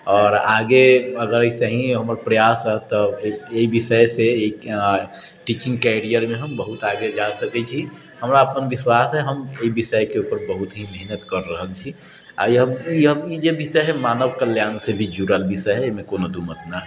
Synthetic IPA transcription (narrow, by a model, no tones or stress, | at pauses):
ɔːɾaɡeəɡəɾəisəɦĩɦəmɾpɾəjasəɦt̪ɔeibisəjsei | ʈit͡ʃĩŋɡkɛɾijəɾmeɦəmbəɦut̪aɡed͡ʒasəkɛt͡ʃʰi | həmɾaəpənbiswasɦɛɦəmeibisəjkeupəɾbəɦut̪ɦimɛɦnət̪kəɾːəɦəlt͡ʃʰi | a̰ɦəiɦəid͡ʒebisəɦɛmanəʋkəljaːnsebʱid͡ʒuɾəlbisəɦɛemekonod̪umət̪naɦɛ